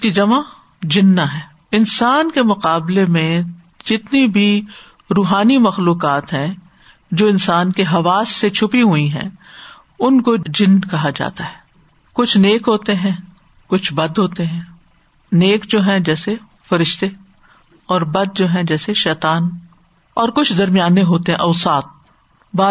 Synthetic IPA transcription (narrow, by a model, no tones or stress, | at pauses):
kid͡ʒɐma | d͡ʒɪnːaɦɛː | ɪnsaːnkemʊqaːblemẽ | d͡ʒɪt̪nibʱi | ɾuːɦaːnimɐxluːqaːt̪ɦɛ̃ | d͡ʒoːɪ̃nsaːnkeɦɐʋaːsːet͡ʃʰʊpiɦʊiɦɛ̰̃ | ʊnkod͡ʒɪnkɐɦad͡ʒa̰ːt̪aɦɛː | kʊt͡ʃʰneːkɦoːt̪eɦɛ̃ː | kʊt͡ʃʰbɐd̪ɦoːt̪eɦɛ̃ː | neːkd͡ʒoːɦɛ̃d͡ʒɛːse | fɐɾɪʃt̪e | ɔːɾbɐd̪̚d͡ʒoːɦɛ̃d͡ʒɛːseʃɛːt̪aːn | ɔːɾkʊt͡ʃʰd̪ɐɾmijaːneɦoːt̪eɦɛ̃ʔɐʊsaːt̪̚ | baː